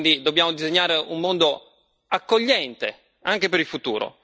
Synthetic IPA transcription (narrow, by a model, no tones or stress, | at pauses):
nd̪id̪objaːmod̪izeɲːaːɾeumːond̪o | akːoʎːɛnt̪e | aŋk̟epeɾilfut̪uːɾo̰